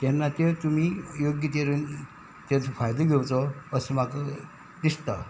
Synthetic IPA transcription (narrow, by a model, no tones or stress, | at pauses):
t̪ɛnːat̪et̪um̤iːjoɡjət̪eɾun | t̪et͡sfajd̪eɡʱewt͡sɔəsemakə | d̪ist̪a